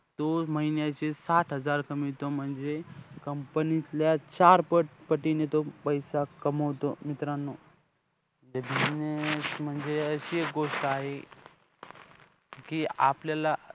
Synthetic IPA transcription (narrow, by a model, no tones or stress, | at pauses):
t̪oməɦinjat͡ɕesat̪ʰɦəd͡zaɾkəmit̪om̤əɳd͡zekəmpəniljat͡ɕaɾpəʈpəʈinet̪opəjsakəməʋt̪omit̪ɾanːo | d͡zəd̪ʱinem̤əɳd͡zeəɕiek̚ɡoʂʈəaɦe | kiapljala